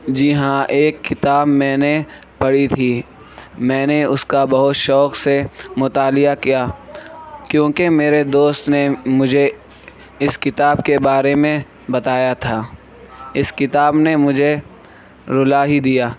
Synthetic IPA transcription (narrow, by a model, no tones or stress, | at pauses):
d͡ʒiːɦãʔeːkːɪt̪aːbmɛ̃ːnepɐɽit̪ʰi | mɛ̃ːneʊskabɐɦʊt̪ʃɔːqsemʊt̪aːlɪjakijaː | kjõːkemeːɾed̪oːst̪nemʊd͡ʒʱe | ɪskɪt̪aːbkebaːɾemẽ | bɐt̪aːjat̪ʰaː | ɪskɪt̪aːbnemʊd͡ʒʱe | ɾʊlaːɦid̪ijaː